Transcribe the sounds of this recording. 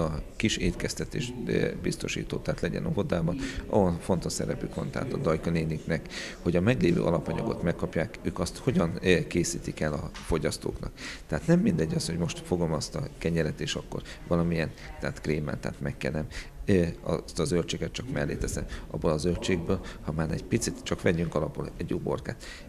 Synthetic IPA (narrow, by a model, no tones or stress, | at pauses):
ɒkiʃeːt̪kɛst̪ɛt̪ḛːʃbist̪o̞ʃḭːt̪oːt̪aːt̪lɛɟɛ̰nɒɦo̞d̪aːbɒnɒ̰ɦonfo̞nt̪o̞ʃsɛ̰ɾɛpykʋɒ̰nt̪ɛ̰ɦa̰t̪ɒd̪ɒjkɒneːniknɛkho̞ɟɒmɛɡleːvø̰ːʔɒlɒpɒɲɒ̰ɡo̞̰t̪mɛkːɒpjaːkøːkɒst̪ho̞ɟɒnkeːsḭːt̪ikɛlɒfo̞ɟɒst̪o̰ːknɒ̰kt̪ɛɦaːt̪nɛmːind̪ɛɟːɒsho̞ɟmo̞ʃt̪fo̞ɡo̞mɒst̪ɒkɛɲɛɾɛt̪eːʃɒkːo̞̰rʋɒlɒmijɛnt̪ɛaːt̪kreːmɛ̰nt̪a̰ːt̪mɛkːɛ̰lnɛm | ɒ̰st̪ɒzølt͡ʃeːɡɛt̪̚t͡ʃɒkmɛlːeːt̪ɛsɛmɒ̰bːolɒzølt͡ʃeːɡbøːlhɒmaːnɛ̰ɟpit̪sit̪t͡ʃɒkʋɛɟyŋkɒlɒpulɛɟːobo̞̰rka̰ːt̪